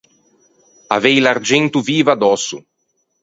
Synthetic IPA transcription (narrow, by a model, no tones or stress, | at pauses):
a̰vɛjlard͡ʒɛnt̪uviːvad̪ɔsṵ